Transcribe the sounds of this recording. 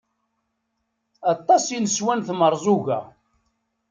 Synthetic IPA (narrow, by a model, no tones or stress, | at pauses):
ɑt̪ˤːɑsinəswænθməɾˤzˤʊɣæ̰